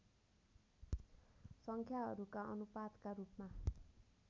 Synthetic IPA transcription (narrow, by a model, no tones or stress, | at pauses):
sʌŋkʰjaɦʌɾukaʔʌnupad̪karupma